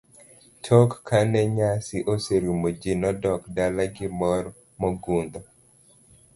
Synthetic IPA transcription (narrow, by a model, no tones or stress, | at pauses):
tʰɔkːanɛɲasɪʔoseɾumod͡ʒinɔdɔkdalaɡɪmɔɾ | mɔɡund̪ɔ